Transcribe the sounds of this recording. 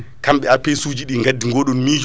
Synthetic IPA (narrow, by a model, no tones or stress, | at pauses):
kamɓɛapesud͡ʒiɗiŋɡadːiŋɡoːɗɔnmid͡ʒ